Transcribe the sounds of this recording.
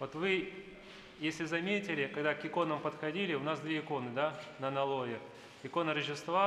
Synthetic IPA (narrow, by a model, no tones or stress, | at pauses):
vo̞t̪vɨ | jesʲlʲɪzɐmʲetʲɪlʲɪkɐɡd̪akɪko̞nəmpət̪xɐdʲilʲɪʊnasd̪vʲeɪko̞nɨd̪anənɐlˠo̞vʲɪ | ɪko̞nəɾəʑʲɪst̪va